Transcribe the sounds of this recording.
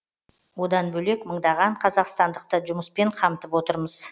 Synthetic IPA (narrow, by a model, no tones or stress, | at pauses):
wo̞d̪ɑnbɵle̞kməɴd̪ɑʁɑɴqʰɑzɑqst̪ɑnd̪əq̚t̪əʒʊməspe̞ɴqʰɑmt̪əpwo̞t̪əɾməz̥